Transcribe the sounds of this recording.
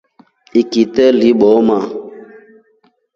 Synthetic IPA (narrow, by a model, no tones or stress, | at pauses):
ikitɛliɓɔma